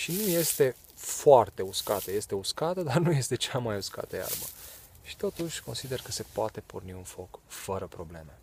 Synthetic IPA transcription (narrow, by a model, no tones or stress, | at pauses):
ʃinuje̞st̪e̞ | foart̪e̞uskat̪əje̞st̪e̞uskat̪əd̪arnuje̞st̪e̞t͡ʃamajuska̰t̪əja̰rbə | ʃi̥t̪o̞t̪uʃʲko̞nsid̪e̞rkəse̞poat̪e̞porniunfo̞kfəɾəpɾo̞ble̞me̞